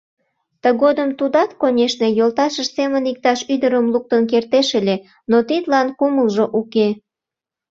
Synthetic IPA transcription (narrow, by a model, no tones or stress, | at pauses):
t̪əɣod̪əmt̪ud̪ɑt̪konʲeʃnejolt̪ɑʃəʃsemənik̚t̪ɑʃyd̪əɾəmluk̚t̪ənk̬ert̪eʃelʲe | not̪it̪lɑnkuməlʒoʔuke